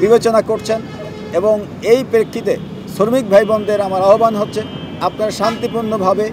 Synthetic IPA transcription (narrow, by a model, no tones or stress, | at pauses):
bibet͡ɕonakoɾt͡ɕʰen | eboŋ | ejpɾekʰːit̪e | ʃoɾmik̚bʱajbɔnd̪eɾamaɾaɦobanɦotːɕʰe | apnaɾʃant̪ipuɾnobʱabe